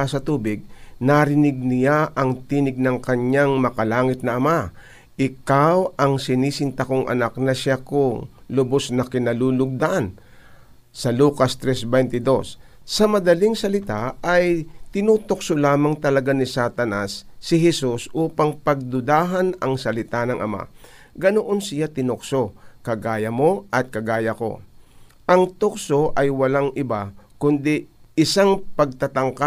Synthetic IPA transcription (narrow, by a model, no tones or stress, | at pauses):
asɐt̪uːbɪɡ̚naɾɪnɪɡ̚nɪjaʔɐŋt̪inɪɡ̚nɐŋkɐɲːaŋmɐkɐlaːŋɪt̪̚nɐɐma | ʔɪkawɐŋsɪniːsɪnt̪ɐkoŋʔɐ̰nak̚nɐʃakʊŋlʊbosnɐkɪnɐluːlʊɡ̚d̪aʔan | sɐluːkɐst̪ɾɛsbɛjnt̪ɪd̪o̞sː | ɐmɐd̪ɐliŋsɐlɪt̪aɐjt̪ɪnuːt̪ok̚solaːmɐŋt̪ɐlɐɡanɪsat̪ɐnasːɪɦɛsusʔuːpɐŋpɐɡ̚d̪ʊd̪aːɦɐnɐŋsɐlɪt̪anɐŋʔɐ̰ma̰ | ɡɐnoʔonsɪjat̪ɪnoksokɐɡaːjɐmo̞ʔɐt̪̚kɐɡaːjɐko̞̰ | ʔɐŋt̪oksoʔɐjwɐlaŋʔɪbakʊnd̪iʔɪsaŋpɐɡ̚t̪ɐt̪ɐŋka